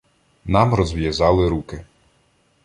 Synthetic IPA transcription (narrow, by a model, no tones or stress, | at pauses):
nɑmɾɔzʋjazɑlˠɪɾukɪ